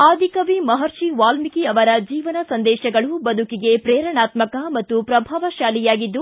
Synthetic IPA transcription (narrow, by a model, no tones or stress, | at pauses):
aːd̪ʱikɐʋimɐɦɐɾʃiʋaːlmikiɐʋɐɾɐd͡ʒiːʋɐnɐsɐnd̪ɛːʃɐɡɐɭubɐd̪ʱukiɡe̞pɾeːɾɐɳaːt̪mɐkɐmɐt̪ːupɾɐbʱaːʋɐʃaːlijaːɡid̪ːu